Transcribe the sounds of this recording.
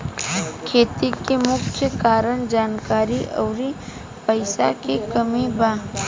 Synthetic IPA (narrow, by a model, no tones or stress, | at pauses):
kʰeːt̪ikemʊkt͡ʃʰjəkaːɾənd͡ʒaːnkaːɾiʔɐːɾi | pəɪsa̰kekəmibaː